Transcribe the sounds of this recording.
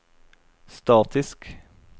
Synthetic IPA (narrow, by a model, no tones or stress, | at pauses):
st̪ɑːt̪ʰɪsk